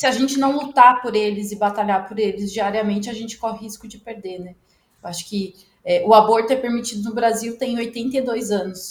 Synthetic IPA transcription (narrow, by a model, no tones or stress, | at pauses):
sɪaʒẽnt͡ʃɪnɐ̃w̃lut̪apoɾelɪzɪbat̪aʎaɾpoɾelɪzd͡ʒiaɾiɐmẽnt͡ʃɪaʒẽnt͡ʃɪ̥kɔhɪɦiskʊd͡ʒɪpeɾd̪enɛ | ewaʃʊ̥kɪ | ɛʔʊaboɾt̪ʊɛpeɾmit͡ʃid̪ʊnʊbɾaziwt̪ẽj̃ojt̪ẽnt̪eid̪ojzɐ̃nʊs